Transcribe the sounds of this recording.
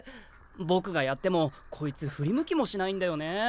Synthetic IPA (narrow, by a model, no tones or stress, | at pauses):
bo̞kɯ̟ɡajat̪ːe̞mo̞ | kʰo̞it͡sɨɸɯ̟ɾʲimɯ̟kʲimo̞ɕinaĩnd̪ajo̞ne̞